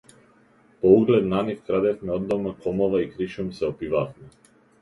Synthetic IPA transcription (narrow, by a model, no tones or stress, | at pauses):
pɔuɡlɛt̪nanifkɾad̪ɛfmɛɔd̪ːɔmakɔmɔvaikɾiʃumsɛɔpivafmɛ